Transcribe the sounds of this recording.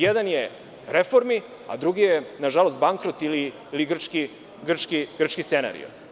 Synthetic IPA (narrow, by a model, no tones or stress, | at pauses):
jed̪anje | ɾefoɾmi | a̰d̪ɾuɡijenaʒalˠo̞st̪̚baŋkɾot̪ili | iliɡr̩t͡ʃki | ɡr̩t͡ʃkiɡ̥r̩t͡ʃkissena̰ɾḭo̰